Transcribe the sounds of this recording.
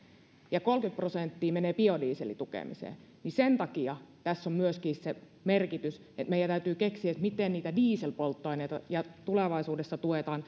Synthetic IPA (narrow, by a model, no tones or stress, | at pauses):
jɑkolkyt̪̚prosent̪ːiːmeneːpiodiːsḛlḭt̪ukḛmḭsḛː | nisent̪ɑkiɑt̪æsːommyøskiːsse | merkit̪ys | et̪meijænt̪æyt̪yːkeksiæt̪mit̪enniːt̪ædiːselpolt̪ːoineit̪ɑ̰jɑt̪uleʋɑisuːdesːɑt̪uet̪ɑːn